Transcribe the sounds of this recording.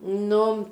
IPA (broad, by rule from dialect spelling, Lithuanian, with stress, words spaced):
ˈnʊ